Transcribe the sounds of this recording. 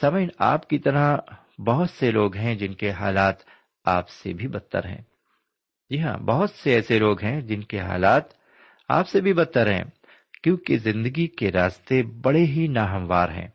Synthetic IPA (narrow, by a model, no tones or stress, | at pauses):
sɐməɪna̰ːpkit̪ɐɾa | bɐɦʊt̪seloːɡɦɛ̃d͡ʒɪnkeɦaːlaːt̪ | aːpsḛbʱibɐt̪ːə̰ɾɦɛ̰̃ː | d͡ʒiɦã̰bɐɦʊt̪seɛːseloːɡɦɛ̃d͡ʒɪnkeɦa̰ːlaːt̪ | a̰ːpsebʱibɐt̪ːəɾɦɛ̰̃ː | kjõːkezɪ̃nd̪əɡikeɾaːst̪ebɐɽeɦinaːɦɐ̃mʋaːɾɦɛ̰̃ː